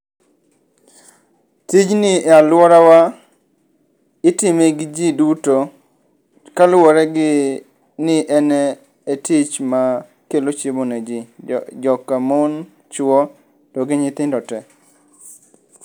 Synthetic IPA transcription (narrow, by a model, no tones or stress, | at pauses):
tit͡ʃnɪɛalwɔɾawa | ɪtɪmeɡɪd͡ʒiduto | kalwɔɾɛɡɪ | nɪʔɛnɛ | etit͡ʃma | kelot͡ʃeboned͡ʒid͡ʒɔkamon | t͡ʃwɔ | tɔɡɪɲɪt̪ɪndɔtɛ